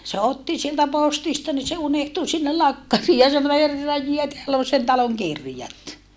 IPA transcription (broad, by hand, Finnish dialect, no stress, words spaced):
se otːi sieltæ postistɑ ni se unehtu sinːel lɑkːɑriː jɑ sɑno herːɑj jie teælː on sen tɑloŋ kirjɑt